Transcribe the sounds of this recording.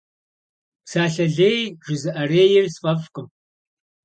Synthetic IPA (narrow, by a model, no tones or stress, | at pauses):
saːɬɐɮeːjʒɪzɨʔɐreːjɪrsfʼɐfkʷʼʊm